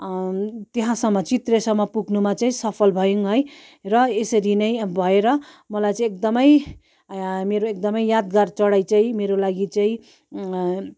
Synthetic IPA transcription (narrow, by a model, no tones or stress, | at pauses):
t̪eɦãsʌmːʌt͡sit̪resʌmːʌpuɡnumat͡saĩsʌpʰʌlbʱʌjuŋɦʌj | rʌesʌɾinʌjbʱʌeɾʌ | mʌlajt͡sʌĩekd̪ʌmʌj | meɾoek̚d̪ʌmʌjjad̪ɡart͡sʌɽajt͡saĩmeɾolaɡit͡sʌĩ